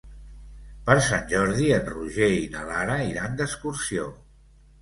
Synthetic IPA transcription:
pəɾsanʲʒɔɾðiənruʒeinəlaɾəiɾand̪əskuɾsio

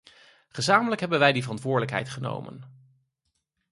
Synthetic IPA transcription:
χəzaːmələkɦɛbənʋɛjdivərɑntʋʊːɹdələkɦɛ̰jtχəno̰wmə̰n

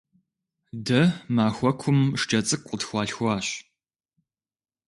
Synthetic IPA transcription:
dɐmaːxʷɔkʷʰʊmʂt͡ʃʼɐt͡sʼɨkʷʼətxʷɑːɬxʷaːɕ

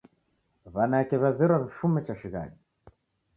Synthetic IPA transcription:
βanaɛkɛβazɛɾwakifumɛt͡ʃaʃiɣa̰ɗi

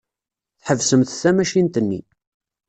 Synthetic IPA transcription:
θħəvsəmθθæmæʃint̪ənːḭ

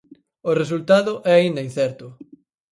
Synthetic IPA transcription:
ʊres̬ult̪aðʊʔɛaind̪ɐinθɛɾt̪ʊ

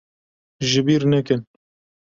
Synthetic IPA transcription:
ʒɪbiːɾnɛkɪn

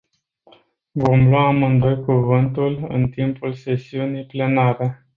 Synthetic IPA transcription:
vo̞mlwamɨnd̪o̞jkuvɨnt̪ulɨ̰nt̪impulse̞siunijple̞naɾe̞

